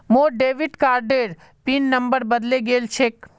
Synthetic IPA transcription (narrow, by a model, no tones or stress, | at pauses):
moːɖeːʋɪʈkaːɾɖeːɾ | pinːɐ̃mbəɾbəd̪leɡeːlt͡ʃʰek